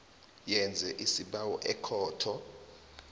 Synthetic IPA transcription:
jɛnd͡zʱɛʔisiɓawɔ̰ʔɛkʰɔːtʰɔ

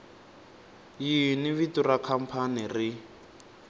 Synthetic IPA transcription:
jiniβiturakʰam̩pʰaniri

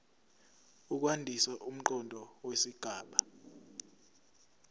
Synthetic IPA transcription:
uk̬wandʱisɛʔum̩ǃɔndʱɔwesiɡ̥ʱaːɓa

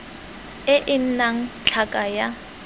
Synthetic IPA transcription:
ɪʔɪn̩naŋ̩t͡ɬʰakʼaja

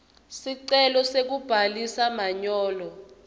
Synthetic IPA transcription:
siǀɛlɔsek̬ub̥ʱalisamaɲɔːlɔ

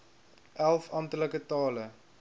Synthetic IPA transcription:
ʔælˠfɐntələkətɑːlə

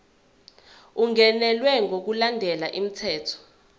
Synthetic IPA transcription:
uŋɛnɛlwɛŋʱok̬ulandʱɛlaʔim̩tʰɛːtʰɔ̥

